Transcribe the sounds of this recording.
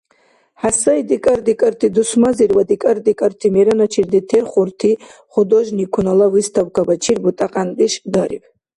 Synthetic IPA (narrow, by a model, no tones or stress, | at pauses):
ħasajd̪ikʼərd̪ikʼərt̪ʰid̪usmazirwad̪ikʼərd̪ikʼərt̪ʰimeɾanat͡ʃʰird̪itʰerχʷʊrt̪ʰiχʷʊd̪oʒnikʷʰunalawist̪ʰawkʰabat͡ʃʰirbut̪ʼaqʼand̪ʼiʃd̪aɾḭpʰʼ